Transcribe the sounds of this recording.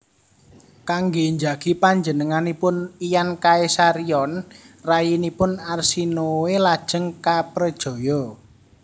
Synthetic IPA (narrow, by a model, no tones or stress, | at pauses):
kaŋɡeɲd͡ʒaɡ̥ipaɲd͡ʒənəŋanipʊnijankaesaɾiɔnrajinipʊnarsinowelad̥ʒ̥ə̤ŋkapɾəd̥ʒ̥ɔ̤jɔ